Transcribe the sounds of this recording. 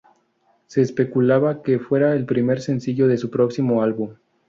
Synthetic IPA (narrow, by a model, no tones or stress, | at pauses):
se̞ːspe̞kulaβake̞fwe̞ɾaelpɾime̞ɾse̞nsiʝo̞ðe̞supɾo̞ksimo̞alβum